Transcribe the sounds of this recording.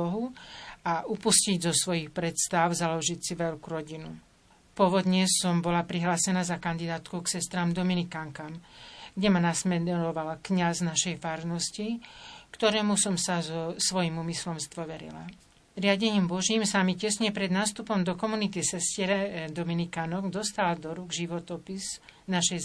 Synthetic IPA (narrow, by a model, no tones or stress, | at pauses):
ɔɦuaʔupusciɟzɔsʋɔjixpɾɛt̪st̪aʊzalɔʒicsiʋɛʎkuɾɔɟinṵ | pɔʋɔd̪ɲɛsɔmbɔlapɾiɦlaːsɛnaːzakand̪id̪aːt̪kuksɛst̪ɾaːmd̪ɔminikaŋkamɡɟɛmanasmɛɾɔʋalkɲaznaʃɛjfaːɾnɔscikt̪ɔɾɛːmusɔmsazɔsʋɔjimuːmislɔmzd̪ʋɔʋɛɾḭla̰ | ɾɪaɟɛɲiːmbɔʒiːmsamicɛsɲɛpɾɛd̪naːst̪upɔmd̪ɔkɔmunit̪isɛscɪɛɾɛd̪ɔminikanɔɡd̪ɔst̪ald̪ɔɾuɡʒiʋɔt̪ɔpiznaʃɛj